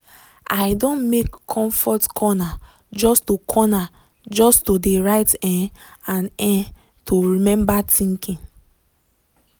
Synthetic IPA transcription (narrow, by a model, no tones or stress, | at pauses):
aɪdõnmekʰːɔ̃ɱfɔtkʰɔna | d͡ʒɔstokʰɔna | d͡ʒɔstodeɹaɪtɛ̃ãnɛ̃ | tʰoɹimɛ̃mbatʰĩŋkĩŋ